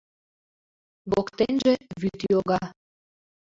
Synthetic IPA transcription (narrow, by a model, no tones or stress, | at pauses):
ɣokt̪enʲʒĕβyt̪joɣɑ